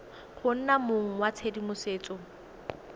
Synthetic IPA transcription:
χʊn̩namʊŋ̩wat͡sʰedimʊseːt͡sʼɔ

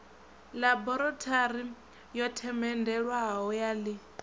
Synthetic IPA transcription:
labɔɾɔtʰaɾi | jɔtʰɛmɛndɛɺwaɦɦɔjali

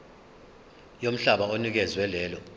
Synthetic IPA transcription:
jom̩ɬaɓaonik̬ɛzwɛlɛːlɔ

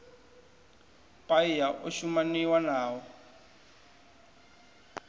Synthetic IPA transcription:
pʼaijaʔoʃumaniwanaːwɔ

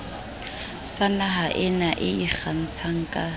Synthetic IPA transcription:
sanaɦaʔɪnaʔɪiχan̩t͡sʰaŋ̩kʼa

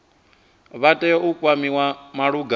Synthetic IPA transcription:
βatʼɛukʼwamiwamaɺuɡa

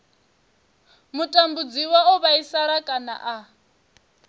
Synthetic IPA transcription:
mutʼambud͡ziwaɔβaisaɾakʼana̰ʔa

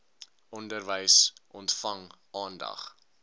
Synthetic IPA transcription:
ʔɔndərvəjsʔɔntfɐŋʔɑːndɐ̰χ

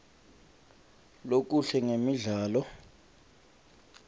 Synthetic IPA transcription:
lok̬uɬɛŋemiɮaːlɔ

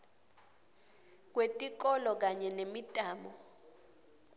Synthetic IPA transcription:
k̬wetʼik̬ɔlɔk̬aɲɛnemitʼaːmɔ

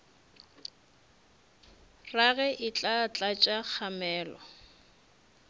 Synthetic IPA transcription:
raɣɛʔɪt͡ɬʼat͡ɬʼat͡ʃʼak͡xʰamɛːlɔ

